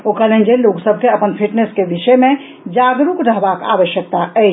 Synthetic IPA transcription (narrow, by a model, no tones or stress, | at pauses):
okəlend͡ʒeloksəb̚ʱkeəpənpʰiʈneskebiʃəjmẽ | d͡ʒaɡɾukɾəɦbaka̰ʋəʃjək̚t̪aə